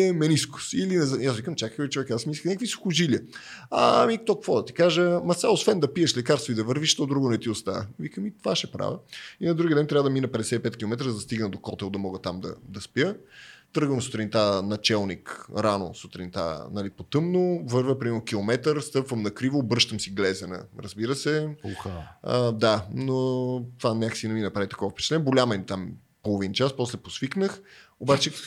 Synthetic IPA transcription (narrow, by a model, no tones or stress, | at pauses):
ɛmɛniskʊ̥silinɛzjasvikəmt͡ʃʲakəkəvʲit͡ʃovɛkasmisinakvisi̥xʊʒiljəa̰mik̚t̪ɔkkvɔd̪ɐt̪i̥kaʒəmɐsaosvɛnd̪ɐpiɛʃlɛkaɾst̪void̪ɐvəɾviʃt̪ɔd̪ɾuɡonɛt̪iʊst̪a̰vikəmit̪ovaʃɛpɾa̰vʲəinɐd̪ɾuɡid̪ɛnt̪ɾʲavəd̪ɐminəpɛd̪ɛsɛipɛt̪kʲilˠomɛt̪ɾəzd̪ɐst̪iɡnəd̪okɔt̪ɛlˠd̪ɐmɔɡət̪amd̪ɐ̰d̪ɐspjət̪ɤɾɡvəmsot̪ɾʲɛint̪anɐt͡ʃɛlˠnikɾano̰sot̪ɾint̪a̰nɐlipot̪ɤmnovɤɾvəpɾʲimiɛɾnok̟ʲilˠomɛt̪əɾst̪ɤpvəmnɐkɾivoːbɤʃt̪əmsiɡlɛzɛnə̰ɾəzbiɾəsɛpxəd̪anot̪vanʲakə̥sinɛminɐpɾavit̪ɐkɔvəfpɛ̥t͡ʃɛt̪ɛnbɡolʲamənit̪am | polˠovint͡ʃaspɔslɛposviknəxobat͡ʃɛ